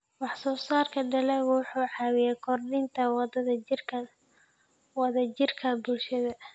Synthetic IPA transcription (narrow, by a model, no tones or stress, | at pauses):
wɑħsɔːsaːrkʰɐɖɐlɛɣwʊħuːʕɑːwɪjɛːkʰɔrdɪnt̪ʰɐwd̪ðɐ | wɑðɐt͡ʃɪrkʰɐbʊlʃɐðɐ